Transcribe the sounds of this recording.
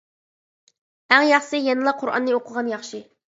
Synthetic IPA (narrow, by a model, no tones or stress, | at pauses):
æŋjɑχsɨjɛnɨlˠɑqʰʊɾʔɑ̰nːɨoqʰəʁɑnjɑχʃɪ